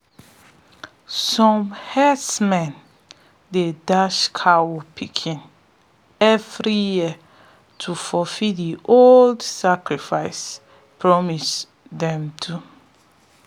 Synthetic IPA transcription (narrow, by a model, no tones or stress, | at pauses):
sɔ̃mhɛsmɛ̃n | dedaʃkʰawopʰikʰĩn | ɛvɹiji | tʰufɔfidiʔoldsakɹifaɪs | pʰɹɔmis | dɛ̃mtʰu